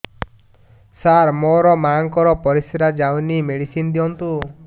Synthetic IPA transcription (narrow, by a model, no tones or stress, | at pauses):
saɾmoɾɔmaŋkɔɾɔpɔɾisɾad͡ʒawnimeɽisind̪iɔnt̪u